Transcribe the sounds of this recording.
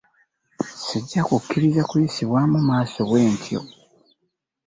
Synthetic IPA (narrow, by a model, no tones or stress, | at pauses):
siɟːakukːiɾizakujisiβwaːmumaːso̞ɣwe̞ːntʰjo̞̰